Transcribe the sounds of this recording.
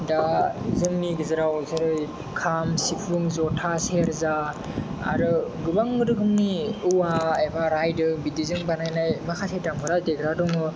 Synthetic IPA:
dazɯŋniɡɯzɯɾawzɯɾɯj | kʰamsipʰuŋzɔtʰaseɾza̰ː | ɾɯɡɯbaŋːɯɾɯɡɯmniuwaejbaɾajdɯbidizɯŋbanajnajmakʰasʰejtamɡɯɾadeɡɾadɔŋɯ

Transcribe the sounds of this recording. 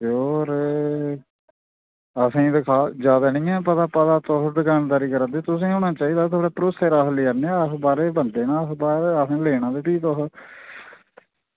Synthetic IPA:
oːɾ | əsĩːd̪ɪkʰaːd͡ʒjaːd̪aːnĩːɛ̃ːp̬ət̪aːpət̪aːt̪ɔɦd̪ɪkʰaːnd̪aːɾiːkəɾãːd̪eːt̪ʊsĩːoːnãːt͡ʃaːiːd̪aːt̪ʰaːɽaːpɾoːseːɾaːɦleːaɾneaəsbaːɾeːbənd̪eːnãːəsbaːɾeəsãːleːñãːd̪eːpiːt̪ɔɦ

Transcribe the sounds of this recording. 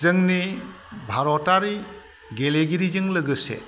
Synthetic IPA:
zɯŋni | bʱaɾɔtaɾi | ɡeleɡiɾizɯŋlɯɡɯsḛ

